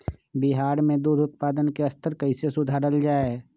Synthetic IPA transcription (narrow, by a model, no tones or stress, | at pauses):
bɪɦaːɾmẽd̪uːɾʱʊt̪̚paːd̪ənkeɐst̪əɾkəɪsesʊd̪ʱaːɾəld͡ʒaːe